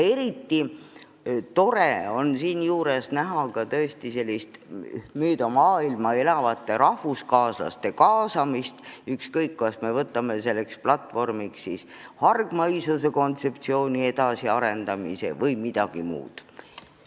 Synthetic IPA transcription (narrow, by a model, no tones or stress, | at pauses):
e̞ɾit̪ːi | t̪o̞ɾe̞o̞nsiːnjuːɾe̞snæɦɑkɑt̪ɤest̪ise̞lʲːist̪myːd̪ɑmɑːilmɑe̞lɑvɑt̪ːˑe̞ɾɑhvuskɑːslɑ̰st̪e̞kɑːsɑmist̪ykskɤjkːɑsme̞vɤt̪ːˑɑme̞se̞lːe̞ksplɑt̪ːvo̞rmikssishɑrɡ̥mɑjsuse̞ko̞nt̪se̞p̚t̪sio̞ːnʲie̞d̪̥ɑsiɑɾe̞nd̪̥ɑmḭse̞̰vɤjmid̪̥ɑɡ̥imṵːd̪̥